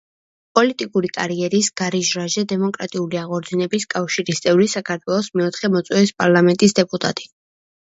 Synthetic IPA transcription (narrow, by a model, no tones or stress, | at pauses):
pʼɔlit̪ʼikʼuɾikʼaɾiɛɾisɡ̥aɾiʒɾaʒɛd̪ɛmɔkʼɾat̪ʼiuliaʁɔɾd̪zinɛbiskʼafʃiɾist̪sʼɛvlisakʰaɾt̪ʰwɛlˠɔsmɛɔt̪ʰχɛmɔt̪sʼwɛispʼaɾlˠamɛnt̪ʼisd̪ɛpʼut̪ʼa̰t̪ʼi̥